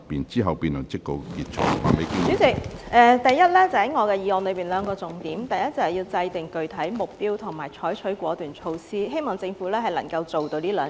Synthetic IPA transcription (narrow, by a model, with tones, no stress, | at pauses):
piː˨nt͡siː˥ɦɐ˨wpiː˧nlɐ˨˩ŋt͡sɪ˥kt̪o˧wkiː˧t̚t͡ʃʰo̰˥a̰˨˩le˨˧ki˧yː˨˥si˨˩ʔɛː˨˧t̪ɐ˨jːɐ˥t̚lɛː˥t͡sɐ˨˩hɐ˨˥jŋɔː˨˧kɛː˧jiː˨˧ɔː˧nlɵ˨˧ɥpiː˨˩nlœː˨˧ŋkɔː˧t͡sʊ˨˩ŋt̪iː˨˥mt̪ɐ˨˩jɐ˥t̚t͡sɐ˨˩hjiː˧wt͡sɐ˧jt̪ɪ˨˩ŋkɵ˨˧ɥt̪ʰɐ˨˥jmʊ˨k̚piː˥wt̪ʰʊ˨˩ŋmaː˨˩jt͡ʃʰɔː˨˥jt͡ʃʰɵ˨˥ɥkʷɔː˨˥t̪yː˨˩nt͡ʃʰo˧wsiː˥hɦe˥jmɔː˨˩ŋt͡sɪ˧ŋfuː˨˥lɛː˥ɦɐ˨jlɐ˨˩ŋkɐ˧wt͡so˨wt̪o˧liː˥lœː˨